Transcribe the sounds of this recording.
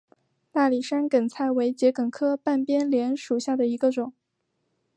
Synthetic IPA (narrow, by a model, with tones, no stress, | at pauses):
t̪a˥˩li˨˩ʂa˥nkə˨˩nt͡sʰa˥˩ɪwe˧˥ɪt͡ɕjɛ˧˥kə˨˩nkʰɤ˥pa˥˩npjɛ˥nljɛ˧˥nʂu˨˩ɕja˥˩d̪ə˩i˧˥ɡə˧ʈ͡ʂʊ˨˩˦ŋ